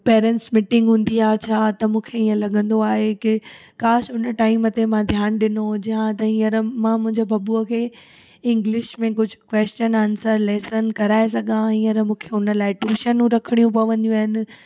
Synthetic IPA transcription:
peːɾɛ̃ɳʈsmɪʈɪ̃ŋɡɦũːn̆d̪iaːt͡ɕʰaːt̪ɐmũːkʰeiːə̃lɐɠə̃nd̪oaːɦekɪ | kaːsʊnəʈaːɪmət̪emãd̪ʱjaːnɗɪnod͡ʑɐɦãt̪ɐɦiːəɾmãmʊ̃ɦɪ̃ɲd͡ʑobʱɐbuəkʰeː | ɪ̃ŋɡlɪʃmẽkʊd͡ʑʱʊkʋeːst͡ɕənaːnsəɾlɛːsənkɐɾaːesɐɡãɦiːəɾmũːkʰeʊnə̆laːɪʈuːʃənũɾɐkʰəɽijũpɐʋə̃nd̪ijũaːɦɪnɪ̆

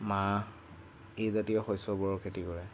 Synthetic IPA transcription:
ma | ezatijɔxɔjsɔbɔɹɔkʰetikɔɹɛ

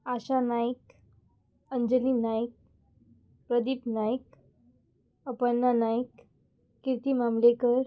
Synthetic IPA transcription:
aɕanajk | əɲd͡ʑəliːnajk̚ | pɾəd̪iːpnajk | əpənːanajkː | ɾit̪imamlekəɾ

